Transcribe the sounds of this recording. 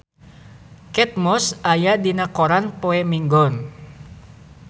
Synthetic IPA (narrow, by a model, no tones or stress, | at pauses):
kɛt̪̚mɔsajadinakɔɾanpoɛmiŋɡɔn